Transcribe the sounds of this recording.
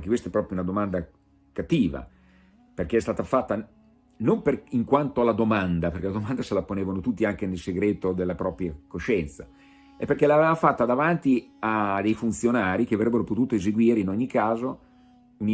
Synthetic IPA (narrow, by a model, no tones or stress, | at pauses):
ŋkekwest̪ɛpːɾɔːpɾjounad̪omand̪a | kat̪ːiːva̰ | perk̟eɛst̪aːt̪afat̪ːa | nomperiŋkwant̪oalad̪omand̪apeɾrk̟elad̪omand̪aselaponeːvanot̪ut̪ːiaŋkenelseɡɾeːt̪od̪elːapɾɔːpɾjakoʃɛnt̪sa | epːerk̟elaːvevafat̪ːad̪avant̪iad̪ejfunt̪sjonaːɾik̟eavɾɛbːeɾopot̪uːt̪oezeɡwiːɾeinoɲːikaːzo | uni